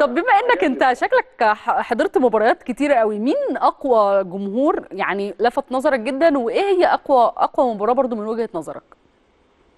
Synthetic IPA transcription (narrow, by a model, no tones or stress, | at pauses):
t̪ˤɑbːemæʔenːækʔent̪æʃæklækħɑd̪ˤeɾt̪mobɑɾˤɑjæːt̪ket̪iːɾæʔæwimiːnʔɑqwæɡomɦuːɾjaʕnilæfæt̪ˤnɑzˤɑɾˤɑk̚ɡed̪ːænweʔeːhɪjːæʔɑqwæʔɑ̰qwæmobɑɾˤɑːbɑɾˤd̪ˤomenwæɡhenɑzˤɑɾˤɑ̰k̚